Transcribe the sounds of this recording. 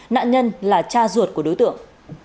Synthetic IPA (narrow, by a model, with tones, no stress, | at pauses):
na̰ː˧˨ɲə˧nlaː˨˩t͡ɕaː˧zu˨˩ət̚ku˧˩əɗo˨˦jt̪ɨ̰˧˨əŋ